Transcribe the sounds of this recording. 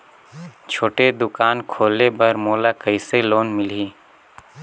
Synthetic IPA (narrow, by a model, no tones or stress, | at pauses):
t͡ʃʰoːʈed̪ʊkaːnkʰoːlebɐɾmoːlakəɪseloːnmɪliː